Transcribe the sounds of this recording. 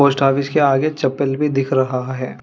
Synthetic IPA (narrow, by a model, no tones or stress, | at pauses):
oːsʈaːʋɪskeaːɡet͡ʃɐpəlbʱid̪ɪkʰɾɐɦaɦɛː